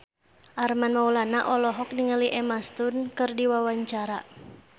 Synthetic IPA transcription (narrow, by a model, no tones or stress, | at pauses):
ʔarmanmaulanaʔɔlɔɦɔk̚niŋəliʔɛmast̪unkɨrdiwawaɲt͡ʃaɾa